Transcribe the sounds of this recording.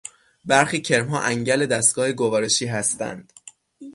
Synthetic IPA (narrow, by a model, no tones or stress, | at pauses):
bæɾxiːcʰe̞ɾmɦɒ̰ːʔæŋɟæle̞d̪æst̪ɡɒːheɡovɒːɾe̞ʃiːɦæst̪æ̰nd̪̥